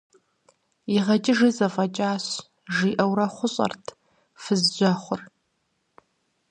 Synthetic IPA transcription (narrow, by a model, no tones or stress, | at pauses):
iʁɐt͡ʃʼɪʐiːzɐfʼɐt͡ʃʼaːɕ | ʒiːʔɐwɾɐχʷʊɕʼɐ̰rtʰ | fɨzd͡ʒʷɐχʷʊr